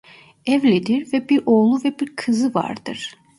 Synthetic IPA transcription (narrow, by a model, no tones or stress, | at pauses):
ɛvlʲid̪iɾvɛbiɾoːlˠuvɛbiɾkʰɯzɯva̰ɾd̪ɯ̰ɾ̥